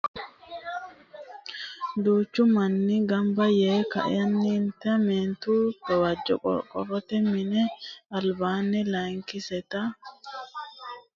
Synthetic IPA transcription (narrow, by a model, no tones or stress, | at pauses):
d̪uːt͡ʃːʊmɐnːɪɡɐmbɐjeːkɐ̰ʔɪ̰jɐnːɪːnt̪ɐmeːnt̪uːbɐwad͡ʒːɔ̰ɔ̰kʼɔ̰rɔt̪ɛmɪnɛɐlbaːnːɛlɐŋkɪsɛt̪ɐ